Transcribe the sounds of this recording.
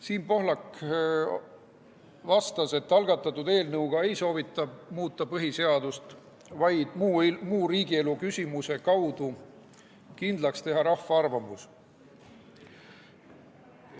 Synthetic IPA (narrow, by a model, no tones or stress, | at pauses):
siːnpo̞ɦlɑk | vɑst̪ɑse̞t̪ːɑlɡ̥ɑt̪ːˑɑt̪ːˑud̪e̞ːlnɤwɡ̥ɑe̞jso̞ːvit̪ˑːɑmuːt̪ːˑɑpɤɦise̞ɑd̪ust̪ | vɑjd̪̥mumuːɾiːɡie̞lukysʲimuse̞kɑwd̪u | kind̪̥lɑkst̪e̞ɦɑɾɑhfːɑɑrvɑmus